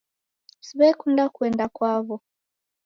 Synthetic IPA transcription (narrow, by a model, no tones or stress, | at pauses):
siβɛkundakwɛndakwaβɔ